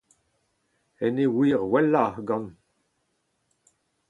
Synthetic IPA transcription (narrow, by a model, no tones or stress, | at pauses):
ɛnewiːʁwɛlːahɡɑ̃n